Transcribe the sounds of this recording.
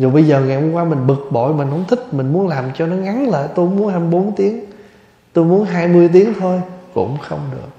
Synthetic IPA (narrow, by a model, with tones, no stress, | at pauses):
zo˨˩jɓə˧jzəː˨˩ŋa˨˩u˨˧kwaː˧mï˨˩ŋ̟ɓɨ˨˩k̚ɓo̰˧˨jmï˨˩ŋ̟ho˨˦ŋ͡mt̪ʰï˦˥k̚mï˨˩ŋ̟mu˨˦ənlaː˨˩mt͡ɕɔ˧nɔ˨˦ŋa˨˦nlə̰ː˧˨jt̪o˧jmu˨˦ənha˧ɓo˨˦nt̪i˨˦əŋ | t̪o˧jmu˨˦ənɦaː˧jmɨ˧əjt̪i˨˦əŋt̪ʰo˧jkʊ̰˧˥ŋ͡mxə̰˧wŋ͡mɗɨ˨˩ək̚